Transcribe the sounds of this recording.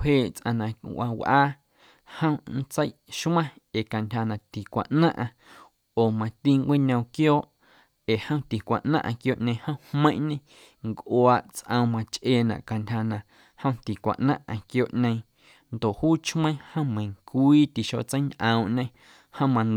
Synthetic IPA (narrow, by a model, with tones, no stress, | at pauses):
heː˦˨ʔt͡sʔã̰˧nã˨˧˨ʔʷa˧wʔaː˦ | hə̃˦n̩˦t͡sə˦jʔʃmã˦ | e˨ka˨ntʲha˧nã˨t̪i˨kʷa̰˨ʔnã˦ʔã˧ | oː˨mã˧t̪i˧ŋkʷi˦ɲə̃˧wkjoː˦ʔ | e˨hə̃˦w̃t̪i˨kʷa˨ʔnã̰˦ʔã̰˧kjoː˧˨ʔɲẽ˧hə̃˦whmə̃˦ʔɲẽ˧ | ŋkʔwa˧ʔt͡sʔə̃˧wmã˧t͡ʃʔeː˧˨nã̰˨ʔka˨ntʲha˧nã˨ | hə̃˦w̃t̪i˨kʷa̰˨ʔnã˦ʔã˧kjoː˧˨ʔɲẽ˧j̃ | nd̪o˨ʔhuː˦t͡ʃmə̃˦hə̃˦mẽ˨ŋkʷiː˦t̪i˨ʃo̰˧ʔt͡sə˦nʔə̃˧w̃ʔɲẽ˧ | hə̃˦mã˧n